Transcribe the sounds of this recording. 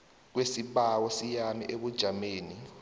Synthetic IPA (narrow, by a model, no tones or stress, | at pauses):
k̬wesiɓawɔsijamḭʔeɓud̥ʒ̥ʱameːni